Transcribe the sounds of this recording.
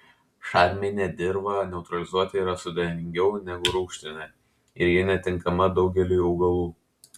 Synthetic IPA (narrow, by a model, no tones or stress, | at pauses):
ʃɑːɾʲmʲeːnʲɛd̪ʲɪɾbɐnʲɛʊt̪ɾɐlʲɪzuɔt̪ʲɪiːɾɐsʊd̪ʲɛɪmʲɪŋʲɡʲɛʊnʲɛɡʊɾuːkʃʲt̪ʲɪnʲɐ | ɪɾjɪnʲɛt̪ʲɪŋkɐmɐd̪ɒʊɡʲɛlʲuːjɐʊɡɐlˠuː